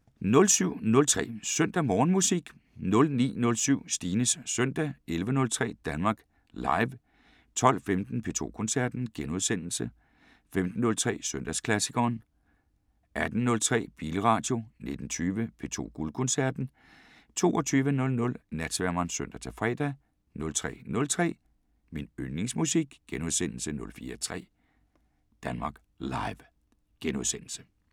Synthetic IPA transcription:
nɔ̽lsyʊ̰nɔ̽lt͡sʰʁɛ̰ːsœn̰d̥æmɒːnmusiɡ̥ | nɔ̽lnḭːnɔ̽lsyʊ̰sd̥iːnəsːœn̰d̥æelʋənɔ̽lt͡sʰʁɛ̰ːd̥ænmɑ̈ːɡ̥ | lɑ̈ɪʋ | t͡sʰɒ̽l̰femd̥n̩pʰe̝ːt͡sʰo̝̰ːkʰɔ̽nsæɐ̰d̥n̩ɡ̥enuðˠsen̰l̩sə | femd̥n̩ːɔ̽lt͡sʰʁɛ̰ːsøn̰d̥æskʰlæsiɡʰɐːn | ʔæd̥n̩nɔ̽lt͡sʰʁɛ̰ːb̥iːləʁɑ̈ːd̥jo̝ne̝d̥n̩t͡sʰyːʋəpʰe̝̰ːt͡sʰo̝̰ːɡ̥ulkʰɔ̽nsæɐ̰d̥n̩ | t͡sʰo̝ːɒt͡sʰyːʋənɔ̽lnɔ̽lnæd̥sʋæɐmɐnsøn̰d̥æt͡sʰe̝fʁɛ̰ːd̥æ | nɔ̽lt͡sʰʁɛ̰ːnɔ̽lt͡sʰʁɛ̰ː | minønne̝ŋsmusiɡ̥ɡ̥enuð̞ˠsen̰l̩sənɔ̽lfḭːɐt͡sʰʁɛ̰ː | d̥ænmɑ̈ːɡ̥ | lɑ̈ɪʋ | ɡ̥enuðˠsen̰l̩sə

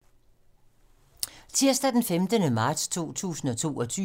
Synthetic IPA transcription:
t͡sʰiɐsd̥æd̥enfemd̥ənəmɑ̈ːd̥st͡sʰo̝̰ːt͡sʰṵːsn̩ɒ̽t͡sʰo̝̰ːɒ̽t͡sʰy

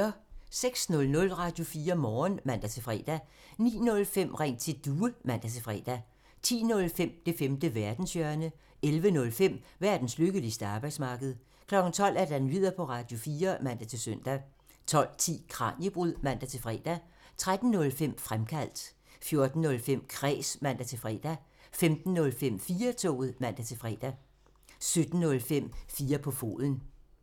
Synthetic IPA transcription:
seɡ̥snɔ̽lnɔ̽lʁɑ̈d̥jo̝fiːɐmɒːnmæn̰d̥æt͡sʰe̝fʁɛ̰ːd̥æ | nḭːnɔ̽lfem̰ʁeŋ̰t͡sʰe̝d̥uːəmæn̰d̥æt͡sʰe̝fʁɛ̰ːd̥æ | t͡sʰḭːnɔ̽lfem̰d̥e̝femd̥əʋæɐd̥n̩sjœɐnə | elʋənɔ̽lfem̰ʋæɐ̰d̥n̩sløɡ̥əlisd̥əɑ̈ːb̥ɑɪd̥smɑ̈ːɡ̥əð̞̩ˠ | kʰlɒ̽ɡ̥n̩t͡sʰɒ̽l̰æɐd̥ænʋið̞̰ˠɐpʰɒ̽ʁɑ̈d̥jo̝fiːɐmæn̰d̥æt͡sʰe̝søn̰d̥æ | t͡sʰɒ̽l̰t͡sʰḭːkʰʁɑ̰̈ːnjəb̥ʁuð̰ˠmæn̰d̥æt͡sʰe̝lfʁɛ̰ːd̥æ | t͡sʰʁad̥n̩nɔ̽lfem̰fʁamkʰæl̰d̥ | fjo̝ɐd̥n̩ːɔ̽lfem̰kʰʁɛ̰ːsmæn̰d̥æt͡sʰe̝lfʁɛ̰ːd̥æ | femd̥n̩ːɔ̽lfem̰fiːɐt͡sʰɔ̰ːð̩ˠmæn̰d̥æt͡sʰe̝lfʁɛ̰ːd̥æ | sød̥n̩nɔ̽lfem̰fiːɐpʰɒ̽fo̝̰ːðˠən̩

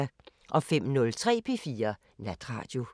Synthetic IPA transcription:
æ | ʔɒ̽fem̰nɔ̽lt͡sʰʁɛ̰ːpʰe̝fiːɐ | næd̥ʁɑ̰̈ːd̥jo̝

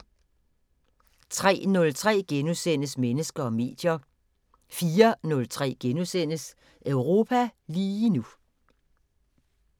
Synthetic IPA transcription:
t͡sʰʁɛ̰ːnɔ̽lt͡sʰʁɛ̰ːɡ̥enusen̰əsmenəsɡ̥ɐɒ̽me̝̰ːd̥jɐ | fiːɐnɔ̽lt͡sʰʁɛ̰ːɡ̥enusen̰əs | ʔœʊʁo̝ːpʰæliːnu

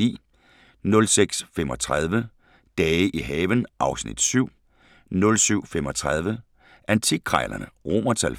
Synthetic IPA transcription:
ḭː | nɔ̽lseɡ̥sfem̰ɒ̽t͡sʰʁað̞ˠʋə | d̥ɛːəʔiɦɛːʋənʔɑ̈ʊsnḭd̥syʊ̰ | nɔ̽lsyʊ̰femɒ̽t͡sʰʁað̞ˠʋə | ʔænt͡sʰi̥ʁɑɪlɐnəʁo̝̰mɐt͡sʰæl

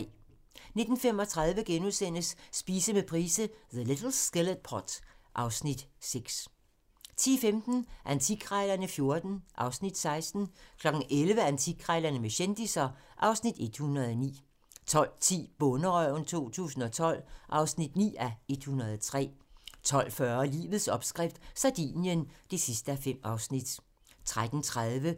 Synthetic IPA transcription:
ne̝d̥n̩femɒ̽t͡sʰʁɑ̈ð̞ˠʋəɡ̥enuðˠsen̰əsːb̥iːsəmepʰʁiːsəðəled̥l̩sɡ̥eləd̥̚pʰɒd̥ʔɑ̈ʊsnid̥seɡ̥s | t͡sʰḭːfemd̥n̩ʔænt͡sʰiɡʰʁɑɪlɐnəfjo̝ɐd̥n̩ʔɑ̈ʊsnid̥sɑ̈ɪsd̥n̩kʰlɒ̽ɡ̥n̩ʔelʋəænt͡sʰiɡ̥ʰʁaɪlɐnəmeɕend̥isɐʔɑ̈ʊsnid̥e̝d̥hunʁɐðˠɒnḭː | t͡sʰɒ̽l̰t͡sʰḭːb̥ɔnəʁœʊnt͡sʰo̝̰ːt͡sʰṵːsn̩ɒ̽t͡sʰɒ̽l̰ʔɑ̈ʊsnid̥nḭːæe̝d̥hunɐð̞ˠɒt͡sʰʁɛ̰ːt͡sʰɒ̽l̰fɶɐlḭːʋð̩ˠsɒ̽b̥sɡ̥ʁɛfd̥sɑd̥ḭːnjənd̥e̝sisd̥əæfem̰ɑ̈ʊsnid̥ | t͡sʰʁad̥n̩t͡sʰʁaðˠʋə

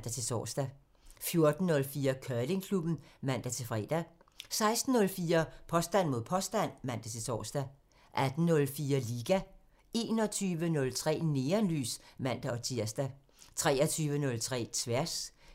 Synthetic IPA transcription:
d̥æt͡sʰe̝sɒ̰ːsd̥æ | fjo̝ɐd̥n̩ːɔ̽lfiːɐkʰœle̝ŋkʰlub̥n̩mæn̰d̥æt͡sʰe̝lfʁɛ̰ːd̥æ | sɑ̈ɪsd̥n̩ːɔ̽lfiːɐpʰɒ̽sd̥æn̰mo̝ð̞̰ˠpʰɒ̽sd̥æn̰mæn̰d̥æt͡sʰe̝sɒ̰ːsd̥æ | ʔæd̥n̩ːɔ̽lfiːɐliːɡ̥æ | e̝̰ːnɒ̽t͡sʰyːʋənɔ̽lt͡sʰʁɛ̰ːne̝ːɐnly̰ːsmæn̰d̥æɒ̽t͡sʰiɐ̰sd̥æ | t͡sʰʁɛːɐt͡sʰyːʋənɔ̽lt͡sʰʁɛ̰ːt͡sʰʋæɐs

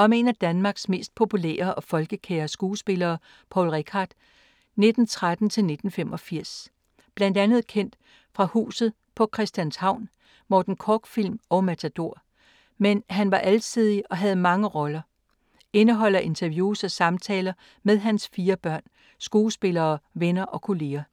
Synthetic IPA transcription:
ɒ̽me̝ːnæd̥ænmɑ̈ːɡ̥sme̝̰ːsd̥̚pʰo̝pʰulɛ̰ːɐʔɒ̽fɒ̽lɡ̥əkʰeːɐsɡ̥uːsb̥e̝lɐː | pʰɒ̰ʊlʁekʰɑ̈d̥ | ne̝d̥n̩t͡sʰʁad̥n̩t͡sʰe̝lne̝d̥n̩femɒ̽fiɐ̰s | b̥læn̰d̥ænð̞̩ˠkʰen̰d̥ | fʁɑ̈hṵːsð̩ˠ | pʰɒ̽kʰʁɛsd̥jænshɑ̈ʊ̰n | mɒːd̥n̩kʰɒːɡ̥fil̰mɒ̽ʊmæt͡sʰæd̥o̝ɐ̰ | menɦænʋɑ̈ʔælt͡sʰiðˠiɒ̽ɦæð̞̩ˠmɑ̈ŋəʁɒ̽lɐ | e̝nəɦɒ̽l̰ɐʔe̝nt͡sʰɐʋjuːsɒ̽sɑ̈mt͡sʰɛːlɐ | með̞ˠɦænsfiːɐb̥ɶɐ̰n | sɡ̥uːsb̥e̝lɐːʋenɐʔɒ̽kʰo̝le̝ːɐ

